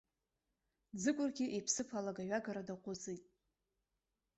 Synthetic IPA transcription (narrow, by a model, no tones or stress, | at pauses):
d͡zɨkʷʼʊrɡʲiʔejpʰsɨpʰalaɡaɥaɡaɾadaqʷʰʼʊzijtʼ